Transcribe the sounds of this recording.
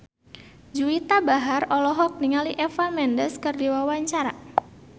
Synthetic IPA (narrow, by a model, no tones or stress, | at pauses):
d͡ʒuit̪abaɦarɔlɔɦɔk̚niŋaliʔɛfamɛndəskərdiwawaɲt͡ʃaɾa̰